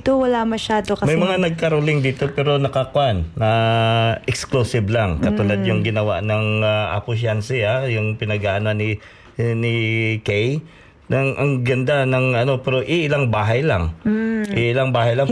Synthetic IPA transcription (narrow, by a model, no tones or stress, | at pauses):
t̪owɐlamɐʃaːd̪okɐmɐjmɐŋanɐɡ̚kɐɾolɪŋd̪iːt̪o̞pɛːɾo̞nɐkakwanːɐʔɛksklusɪblaŋkɐt̪uːlad̪̚jʊŋɡɪnɐwa̰ʔnɐŋaʔa̰kʊʃansɪajʊŋpɪnɐɡaʔɐnanɪ | nɪkɛj | nɐŋʔɐŋɡɐnd̪anɐŋɐno̞pɛɾo̞ʔiʔɪlaŋbaːɦɐjlaŋʔɪʔɪlaŋbaːɦajlaŋ